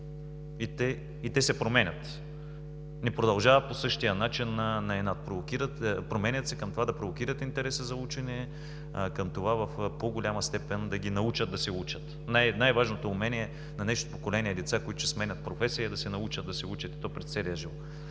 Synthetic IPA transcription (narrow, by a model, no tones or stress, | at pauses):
it̪ɛ | it̪ɛsɛpɾomɛnʲɐt̪ | nɛpɾod̪ɐlˠʒavɐposɤʃt̪ijənat͡ʃinːɐnɐɛnat̪̚pɾovokʲiɾət̪pɾomɛnʲɐt̪sɛkɐmt̪ovad̪ɐpɾovok̟iɾət̪int̪ɛɾɛsəzɐut͡ʃɛnɛ | kɐmt̪ovavɐfpoɡolʲamɐst̪ɛpɛnd̪ɐɡʲinɐut͡ʃɐd̪̚d̪ɐsɛut͡ʃət̪ | najnajvaʒnot̪oːmɛnʲiɛ | nɐnɛʃt̪ot̪opokolɛniɛd̪ɛt̪sakoit̪ʊ̥sɛsmɛnʲɐt̪̚pɾofɛsiəd̪ɐsɛnɐut͡ʃɐd̪d̪ɐsɛut͡ʃɐt̪i̥t̪ɔpɾɛt̪t̪sɛlijəʒivɔt̪